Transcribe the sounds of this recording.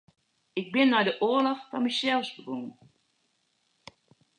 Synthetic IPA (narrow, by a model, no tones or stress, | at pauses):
ɪɡ̚bɪnːɛjdəʔoəlɔxfɑnmisɛlˠsbəbuŋən